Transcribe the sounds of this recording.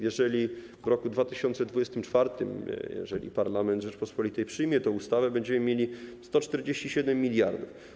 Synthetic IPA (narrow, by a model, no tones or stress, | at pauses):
jɛʐɛlʲi | vɾɔkud̪vat̪ɘɕɔnt̪sɛd̪vud͡ʑɛst̪ɘmt͡ʂfaɾt̪ɘmjɛ̰ʐɛlʲḭpaɾlamɛnd̪ʐɛt͡ʂpɔspɔlʲit̪ɛjpʂɘjmʲjɛt̪ɔ̃ust̪avɛbɛɲd͡ʑɛmɘmʲjelʲist̪ɔt͡ʂt̪ɛɾd͡ʑeɕt͡ɕiɕɛd̪ɛmːʲilʲjaɾd̪uf